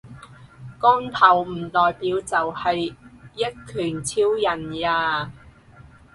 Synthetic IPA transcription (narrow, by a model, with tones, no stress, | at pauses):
kɔː˥ŋt̪ʰɐ˨˩wm̩˨˩t̪ɔː˨jpiː˨˧wt͡sɐ˨whɐ˨jːɐ˥t̚kʰyː˨˩nt͡sʰiː˥wjɐ˨˩njaː˧